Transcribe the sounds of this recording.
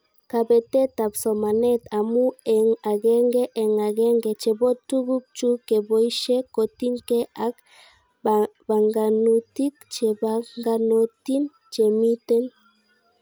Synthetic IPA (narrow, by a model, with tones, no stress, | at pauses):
ka˨be˨t̪e˦t̪a˨pso˨ma˨ne˦t̪a˨mu˦eŋa˨ɡe˦ŋɡe˦ʔe˨ŋa˨ɡe˦ŋɡe˨t͡ʃe˨bo˦t̪u˦ɣu˦k̚t͡ʃu˦ke˨bo˨jʃe˦ko˨t̪i˦ŋke˦a˦k | ba˨ŋɡa˨nu˨t̪i˦kt͡ʃe˨baŋɡa˧no˨t̪i˦m | t͡ʃe˨mi˦t̪e˦n